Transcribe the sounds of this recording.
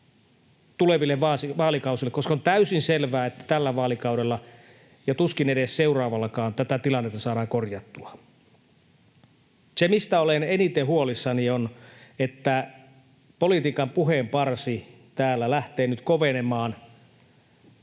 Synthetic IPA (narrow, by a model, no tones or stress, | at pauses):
t̪uleʋilːeʋʋɑːsiʋɑːlikɑusilːekoskɑont̪æysinselʋæːet̪ːæ̥t̪ælːæʋɑːlikɑuɾelːɑ | jɑt̪uskineɾesseurɑːʋɑlːɑkɑːnt̪æt̪æt̪ilɑnːet̪ːɑsɑːdɑːŋkorjɑt̪ːuɑ | semist̪æolenenit̪eɦhuolisːɑnionet̪ːæ | polit̪iːkɑmpuɦempɑrsi | t̪æːlːælæht̪eːnyt̪koʋenemɑːn